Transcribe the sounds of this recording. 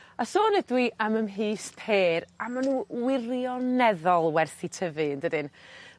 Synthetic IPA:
asoːnɛdwiʔaməmɦiːspʰeːɾamanuːwɪrjɔnɛðɔlˠwɛrθitʰəvɨndɨdɨn

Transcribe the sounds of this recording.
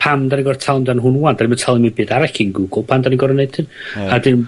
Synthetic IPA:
pʰamdaniɡɔrtʰalˠmdanɦʊnuandaniməntʰalˠimɪbɨdaɾakinɡuɡʊlˠpʰandaniɡɔɾənejd̥tʰɨnadɪn

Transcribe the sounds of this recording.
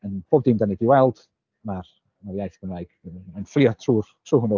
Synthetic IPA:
ənb̥ʰoːb̚dimdanidiwɛlˠd̥ | mar | mavjajθb̥ənajɡ̥ənflˠiɔtʰruːrtʰruːhunɔ

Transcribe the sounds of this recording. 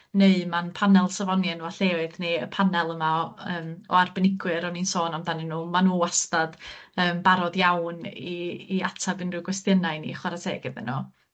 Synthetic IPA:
neɨmanpʰanɛlˠsavɔnjɛnaɬeːɨðneəpʰanɛlˠəmaəːmɔ̰arbɛnɪɡwɨɾɔninsoːnamdanɪnuːmanuːastad̥əːmbaɾɔdjawniːatʰabɪnrɪɡwɛstjənaɨnḭχwaɾatʰɛ̰ːɡɪðə̰nɔ

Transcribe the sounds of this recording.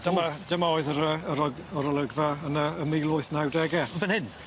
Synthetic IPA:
d̥əmad̥əmaɔːɨðəɾəəɾəɡɔɾəlˠəɡvaənəəmiːlˠʊɨθnawdɛɡɛvɛnhɪn

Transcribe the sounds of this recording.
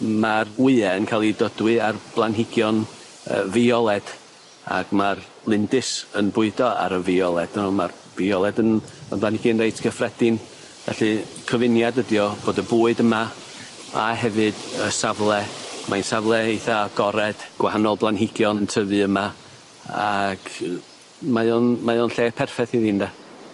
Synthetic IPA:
marwɪɛənkʰalˠidɔdwɨarb̥lˠanɦɪɡjɔn | ə̰vɪɔlˠɛd̥ | a̰ɡ̥mar | lˠɪndɨsənbʊɨdɔa̰ɾəviɔlˠɛd̥nɔmar | viɔlˠɛdənəblˠanhɪɡinrejtʰɡ̥ʰəfrɛd̥ɪn | vɛ̰ɬɨkʰəvɪnjadədjɔb̥oːdəbuːɨdəma | a̰ɦɛvɨdəsavlˠɛmʔajnsavlˠɛiθaɡ̥ɔɾɛd̥ɡ̥wahanɔlˠblˠanɦɪɡjɔnəntʰəvɨəma | aɡ̥ | majɔnmajonɬeːpʰɛrfɛθiðinda

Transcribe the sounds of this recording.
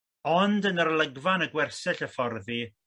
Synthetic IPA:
ɔndənərləɡvanəɡwɛrsɛɬəfɔrði

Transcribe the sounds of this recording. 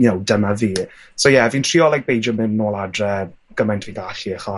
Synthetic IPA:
nowdəmaviː | sowjɛviːntʰriːɔlˠak̚b̥ejd͡ʒɔmɪnnoːlˠadrɛ | ɡ̥əmajntʰviːɡaɬiəχɔ

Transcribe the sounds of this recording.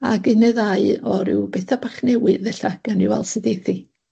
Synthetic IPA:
a̰ɡɨnɛðaɨɔɾɪ̰wbɛθabaχnɛwɨrðɛɬaɡ̥aniwa̰lˠsɨdeθi

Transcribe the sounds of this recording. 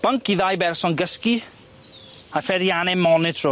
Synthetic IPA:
b̥əŋkːiðajbɛɾsɔnɡəski | afɛɾjaːnemɔnɪtʰɾo

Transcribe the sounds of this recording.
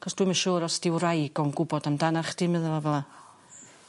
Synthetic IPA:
χɔsd̥wiɨmaʃɔːɾɔsd̥ɪwrajɡɔnɡʊbɔdamdanaχd̥ɪmɨðɛlˠavɛlˠa

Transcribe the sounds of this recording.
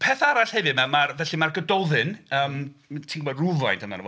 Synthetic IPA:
pʰɛːθaɾaɬhɛvɨdmamarvɛɬimarɡədɔðɨnəːmtʰiŋɡɔmɔdruvajndʰəma̰nəv

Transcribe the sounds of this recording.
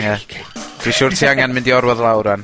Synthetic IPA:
jad̥iʃʊːrtʰiːaŋɛnmɪ̃ndiɔɾwɔðlˠawɾan

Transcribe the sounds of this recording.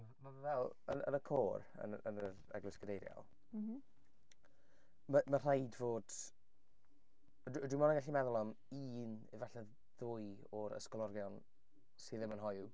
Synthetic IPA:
mamavəvɛlˠ | ə̰nə̰nəkʰoːr | ə̰nə̰nəɾɛ̰ɡlɪskədejɾja̰l̩ˠ | məmər̥ajdvoːd̥ | ədwɪmɔnaɡaɬimɛðʊlˠɔm | iːnɪvaɬɛ | ðʊj | ɔɾə̰skɔlˠɔrɡjɔn | siðɪmənɦɔju

